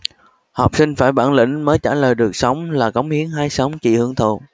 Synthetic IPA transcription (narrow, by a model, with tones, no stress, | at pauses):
hɔ˨˩k͡p̚sï˧ŋ̟faː˧˩jɓaː˧˩nlḭ̈˧˩ŋ̟məː˨˦jt͡ɕaː˧˩ləː˨˩jɗɨ˨˩ək̚sə˨˦wŋ͡mlaː˨˩kə˨˦wŋ͡mhi˨˦ənɦaː˧jsə˨˦wŋ͡mt͡ɕḭ˧˨hɨ˨˧˦əŋt̪ʰṵ˧˨